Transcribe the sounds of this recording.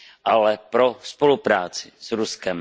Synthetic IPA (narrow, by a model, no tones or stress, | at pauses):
ʔalɛpɾo̞spo̞lupɾaːt͡sɪsɾuskɛm